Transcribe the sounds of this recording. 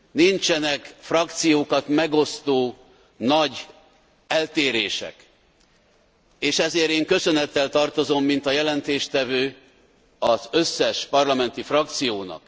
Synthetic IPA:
nint͡ʃɛnɛkfrɒkt̪sijoːkɒt̪mɛɡo̞st̪oː | nɒɟ | ɛlt̪eːɾeːʃɛ̰k | eːʃɛzeːɾeːŋkø̞sø̞nɛt̪ːɛlt̪ɒrt̪o̞zo̞mːint̪ɒjɛlɛnt̪eːʃt̪ɛvøː | ɒzøsːɛʃpɒrlɒmɛnt̪ifrɒk̚t̪sijoːnɒ̰k

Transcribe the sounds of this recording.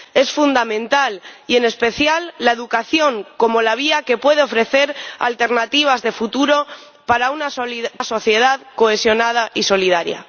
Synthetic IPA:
e̞sfund̪amẽ̞nt̪alie̞ne̞spe̞θjalːae̞ðukaθjo̞ŋko̞mo̞laβ̞iake̞pwe̞ð̞eo̞fɾe̞θe̞ɾa̰lt̪e̞ɾnat̪iβ̞azðe̞fut̪uɾo̞ | paɾaunasoliaso̞θje̞ð̞aðko̞esjo̞nað̞aʔiso̞lið̞aɾja̰

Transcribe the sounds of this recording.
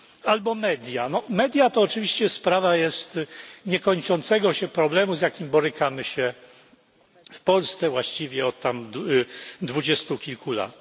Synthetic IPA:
albɔmɛd̪ʲjanɔmɛd̪ʲjat̪ɔːt͡ʂɘvʲiɕt͡ɕɛspɾavajɛst̪ɲɛkɔɲt͡ʂɔnt̪sɛɡɔɕɛpɾɔblɛmuzʲjakʲimbɔɾɘkamɘɕɛ | fpɔlst̪sɛvwaɕt͡ɕivʲjɛɔt̪ːam | d̪vud͡ʑɛst̪ukʲilkula̰t̪

